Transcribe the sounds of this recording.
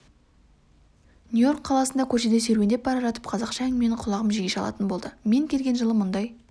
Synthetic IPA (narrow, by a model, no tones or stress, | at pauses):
nujo̞rkʰːɑlˠɑsənd̪ɑkʲʰɵɾʃe̞d̪e̞sɵjɾbend̪ep̚bɑɾɑʒɑt̪ə̥pqʰɑzɑqʃɑme̞nqʰʊlˠɑʁəmʒiɡʲeʃɑlˠɑ̰t̪ənbo̞lˠd̪əme̞ŋkʲʰe̞lɡʲe̞nʒəlˠəmʊnd̪ɑj